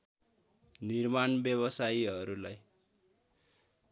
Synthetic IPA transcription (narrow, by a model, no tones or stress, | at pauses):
nirmanbjʌβʌsajiɦʌɾulaj